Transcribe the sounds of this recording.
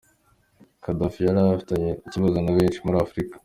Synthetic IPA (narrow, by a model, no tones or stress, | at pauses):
kadafijaɾaβafi̥taɲeiciβazonaβeːnt͡ʃimuɾaːfɾikḁ